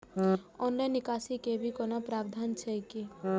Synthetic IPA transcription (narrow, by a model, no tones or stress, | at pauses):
ɔːnlainːɪkaːsikebʱikɔːnapɾaːbd̪ʱaːnt͡ʃʰɛki